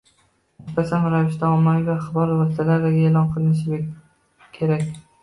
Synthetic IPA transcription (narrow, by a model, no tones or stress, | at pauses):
ʊspasanɾavɪʃt̪aɒmːamivaχɨbɒlˠwɒsɪt̪ʰalaɾd̪aɡʲaeːlˠɒnqʰɨlˠɪnɪʃ̬ɪ | kʲʰe̞ɾakʲ